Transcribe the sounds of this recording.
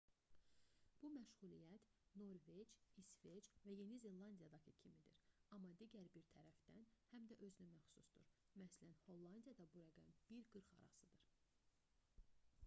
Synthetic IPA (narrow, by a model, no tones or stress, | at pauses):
b̥umæʃɣulijæt̪no̞ɾve̞d͡ʒisve̞t͡ʃvæje̞nize̞lːˠɑnd̪ijɑd̪ɑcʰicʰimid̪iɾɑmːɑd̪iɟæɾbiɾt̪ʰæɾæfd̪ænhæmd̪æʔø̞zynymæxsusd̪̥uɾ | mæslænho̞lˠːɑnd̪ijɑd̪ɑbuɾæɡæmb̥iɾɡɯɾχɑ̰ɾɑ̰sɯd̪ɯɾ